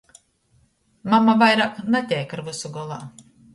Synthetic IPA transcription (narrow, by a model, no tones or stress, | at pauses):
mamavajɾaːknat̪ʲɛjkaɾvɨsuɡɔlˠa̰ː